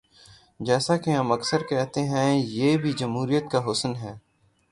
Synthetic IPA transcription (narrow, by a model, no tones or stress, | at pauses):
d͡ʒɛːsakeɦɐmɐksəɾkɛɦt̪eɦɛ̃jeːbʱid͡ʒɐmɦuːɾijət̪kaɦʊsənɦɛː